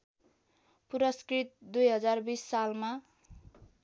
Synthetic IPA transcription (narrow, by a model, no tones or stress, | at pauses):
puɾʌskrit̪̚d̪ujɦʌd͡zarbisːalma